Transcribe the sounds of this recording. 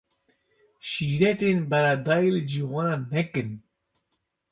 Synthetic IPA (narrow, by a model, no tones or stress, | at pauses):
ʃiːɾɛt̪eːnbɛɾɑːd̪ɑːjilɨd͡ʒiwonɑːnɛkɨn